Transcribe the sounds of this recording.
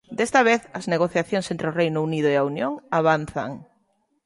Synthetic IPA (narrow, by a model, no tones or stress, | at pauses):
d̪est̪ɐβeθɐzneɣoθjaθjoŋsent̪ɾɪorejnʊuniðʊeaunjoŋaβan̟θɐ̰ŋ